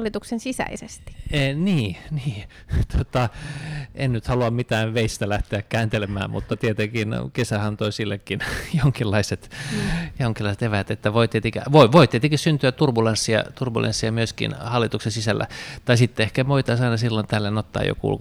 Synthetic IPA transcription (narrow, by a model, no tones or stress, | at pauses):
lːit̪uksensisæ̰isest̪i̥niːniː | t̪ot̪ɑʔennyt̪hɑluɑmmit̪æːʋʋeist̪ælæht̪eækkæːnt̪elemæ̰ːmmṵt̪ːɑt̪iet̪ekinkesæhɑnt̪oisilːekːinjoŋkilːɑiset̪joŋkilːɑiset̪eʋæt̪et̪ːæʋoit̪iet̪ekæʋoiʋoit̪iet̪ekissynt̪yætt̪urbulensːiɑ̰t̪urbulḛnsːiɑmyøskḭnhɑlːit̪uksensisælːʔæ̰t̪ɑisit̪ːeehkæmoit̪ɑisɑinɑsilːont̪æːlːenot̪ːɑ̰ːjo̰kṵl